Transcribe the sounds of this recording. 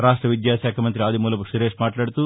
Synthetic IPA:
ɾaːʂʈɾɐʋid̪jaːsaːkʰɐmɐnt̪ɾiaːd̪imuːlɐpuʃuɾeːʂmaːʈlaːɽt̪u

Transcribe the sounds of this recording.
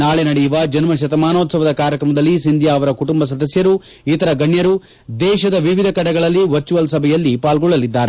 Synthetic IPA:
naːɭenɐɽɛjuʋɐd͡ʒɐnmɐʃɐt̪ɐmaːnoːt̪sɐʋɐd̪ɐkaːɾjɐkɾɐmɐd̪ɐlːisind̪ʱjaːɐʋɐɾɐkuʈumbɐs̬ɐd̪ɐsjɐɾu | it̪ɐɾɐɡɐɳjɐɾu | d̪ɛːʃɐd̪ɐʋiʋid̪ʱɐkɐɽɛɡɐɭɐlːiʋɐt͡ʃːuʋɐlsɐbʱɛjɐlːipaːlɡɔɭːɐlid̪ːaːɾe

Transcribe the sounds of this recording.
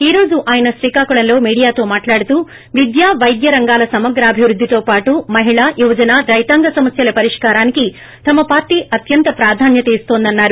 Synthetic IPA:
iːɾo̞ːd͡ʒuʔaːjɐnɐʃɾiːkaːkuɽɐnllo̞ːmiːɽijaːt̪o̞ːmaːʈlaːɽut̪uː | ʋid̪jaːʋɐjd̪jɐɾɐŋɡaːlɐsɐmɐɡɾaːbʱiʋɾud̪ʱːit̪oːpaːʈumɐɦiɭaːjuʋɐd͡ʒɐnaːɾɐjt̪aːŋɡɐsɐmɐsjɐlɐpɐɾiʂkaːɾaːniki | t̪ɐmːɐpaːɾʈiʔɐt̪jɐnt̪ɐpɾaːd̪ʱaːnjɐt̪eːst̪oːnd̪ɐnːaːɾu

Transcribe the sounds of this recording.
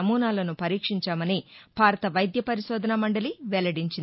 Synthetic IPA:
ɐmuːnaːlɐnupɐɾiːkʂiɲt͡ʃaːmɐnib̥ʱaːɾɐt̪ɐʋɐjd̪jɐpɐɾiʃɔːd̪ɐnɐmɐɳɖɐliʋɛlɐɽiɲt͡ʃin

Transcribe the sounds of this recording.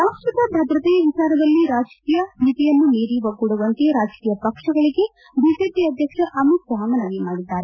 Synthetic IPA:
saːʂɐt̪ɐbʱɐd̪ɾɐt̪ɛːjɐʋit͡ʃaːɾɐd̪ɐlːiɾaːd͡ʒkiːjɐnit̪ijɐnːuniːɾiʋɐɡuɽuʋɐnt̪eɾaːd͡ʒkiːjɐpɐkʂɐɡɐɭiɡe̞ | biːd͡ʒeːpiɐd̪ʱjɐkʂɐʔɐmuksɐɦɐmɐnɐnimaːɽid̪ːaːɾe

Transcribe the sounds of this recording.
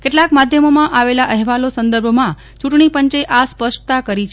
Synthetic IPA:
keʈlakmad̪ʱjəmomãʔaʋelaʔəɦʋalosənd̪əɾbʱmã | t͡ʃuʈɳ̃ipəɲt͡ʃeʔaspəʃʈt̪akəɾit͡ʃʰ

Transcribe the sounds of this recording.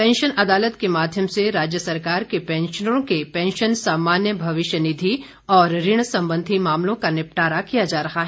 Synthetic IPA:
pɛ̃ːnʃənɐd̪aːlət̪kemaːd̪ʱjəmseɾaːd͡ʒjəsɐɾkaːɾkepɛ̃ːnʃəɾõkepɛ̃ːnʃənsaːmaːnjəbʱɐʋɪʃjənɪd̪ʱi | ɔːɾɾɪɽ̃sɐ̃mbə̃nd̪ʱimaːmlõkanɪp̚ʈaːɾakijad͡ʒaːɾɐɦaɦɛː

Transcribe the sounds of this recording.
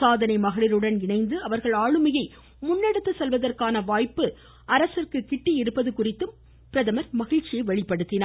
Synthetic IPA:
saːðɐnɐɪmɐɣɐɭɪɾɯɽɐnɪɳɐɪnd̪ɯɐʋɐɾɣɐɭaːɻɯmɐjɐɪ | mʊnːɛɽɯt̪ːɯsɛlʋɐðɐrkaːnɐʋaːjpːɯ | ɐɾɐsɪrkɯkɪʈːiɪɾɯpːɐðɯkʊrɪt̪ːɯm | pɪɾɐðɐmɐɾmɐɣɪɻt͡ʃːɪjɐɪʋɐɭɪpːɐɽɯt̪ːɪnaː

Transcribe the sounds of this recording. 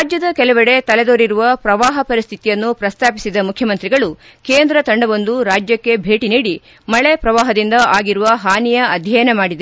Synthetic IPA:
ɾaːd͡ʒjɐd̪ɐkɛlɛʋɐɽe̞t̪ɐled̪oːɾiɾuʋɐpɾɐʋaːɦɐpɐɾist̪ʰit̪ijɐnːupɾɐst̪ʰaːpi̥sid̪ɐmukʰjɐmɐnt̪ɾiɡɐɭu | keːnd̪ɾɐt̪ɐɳɖɐʋond̪uɾaːd͡ʒjɐkːe̞bʱe̞ːʈiniːɽi | mɐɭe̞pɾɐʋaːɦɐd̪ind̪ɐʔaːɡiɾuʋɐɦaːnijɐɐd̪ʱjɐjɐnemaːɽid̪e

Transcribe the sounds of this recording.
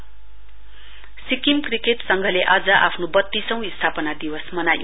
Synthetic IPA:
sikimkrikeʈsʌŋɡʱʌleʔʌd͡zʌʔa̰pʰnobʌt̪ːisʌ̃w̃ist̪ʰapʌnad̪iwʌsmʌnajo

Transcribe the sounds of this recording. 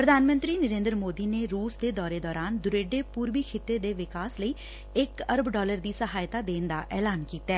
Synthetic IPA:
pɾəd̪ʱaːnmə̃nt̪ɾiːnəɾẽːnd̪əɾmoːd̪iːneːɾuːsd̪eːd̪ɔːɾeːd̪ɔːɾaːnd̪ʊɾeːɖeːpuːɾʋiːkʰɪt̪ːeːd̪eːʋɪkaːsləiː | ɪkəɾəbɖɔːləɾd̪iːsəɦaːjt̪aːd̪eːnd̪aːʔɛːlaːnkiːt̪ɛː

